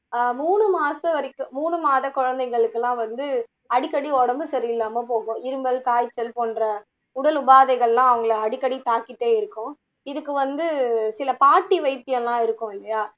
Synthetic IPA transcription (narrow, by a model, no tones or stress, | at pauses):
muːɳɯmaːsɐʋɐɾɪkːɯ̃muːɳɯmaːðɐkɔɻɐnd̪ɐɪɣɐɭɯkːɐlãːʋɐnd̪ɯ | ɐɽɪkːɐɽiɔɽɐmbɯsɐɾɪjɪlːaːmɐp̬oːɣʊ̃ɪɾɯmbɐlkaːjt͡ʃːɐlpoːnɾɐ | ʊɽɐlʊbaːðɐɪɣɐɭlːãːɐʋɐŋɡɐɭɐɐɽɪkːɐɽit̪aːkːɪʈːeːɪɾɯkːʊ̃ | ɪðɯkːɯʋɐnd̪ɯsɪlɐpaːʈːiʋɐɪt̪ːɪjɐlːãːɪɾɯkːʊ̃ɪlːɐjaː